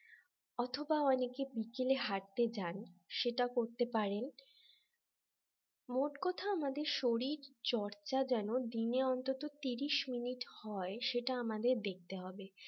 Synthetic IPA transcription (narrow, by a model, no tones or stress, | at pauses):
ɔt̪ʰobaɔnekebikeleɦaɾt̪ed͡ʑanʃeʈakoɾt̪epaɾen | moʈkɔt̪ʰaamad̪eɾʃoɾiɾt͡ɕɔɾt͡ɕad͡ʑɛnod̪ineɔnt̪ot̪ot̪iɾiʃminiʈhɔeʃeʈaamad̪eɾd̪ek̚t̪eɦɔbe